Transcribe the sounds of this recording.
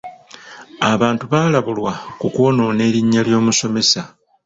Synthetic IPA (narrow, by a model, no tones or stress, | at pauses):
aβaːntuβaːlaβulwakukuo̞no̞ːne̞ːɾiɲːaljo̞ːmuso̞me̞sa